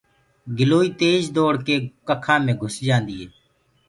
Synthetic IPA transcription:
ɡɪloːiːt̪eːd͡ʒd̪oːɽkeːkəkʰãːmẽːɡʱʊsd͡ʒãːnd̪iːɦeː

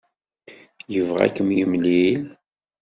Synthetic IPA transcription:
jəvʁæ̰kːəmjəmlil

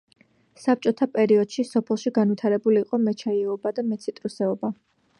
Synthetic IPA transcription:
sap̚t͡ʃʼɔt̪ʰapʼɛɾiɔd̪̥ʃisɔpʰɛlˠʃiɡanvit̪ʰaɾɛbuliːqʼɔmɛt͡ʃʰaiɔbad̪amɛt̪sʰit̪ʼɾusɛɔba

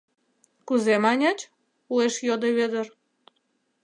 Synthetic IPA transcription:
kuzemɑnʲɑt͡ɕ | ueʃjod̪eβed̪ər

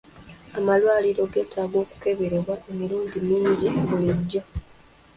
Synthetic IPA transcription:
amalwaːliɾo̞ɡe̞ːtʰaːɡo̞ːku̥ke̞βeɾeβwaʔe̞miɾuːndimiːɲɟiβuliɟːa

